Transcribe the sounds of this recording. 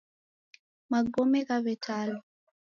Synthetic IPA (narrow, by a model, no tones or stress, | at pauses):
maɡɔmɛkavɛtʰalɔ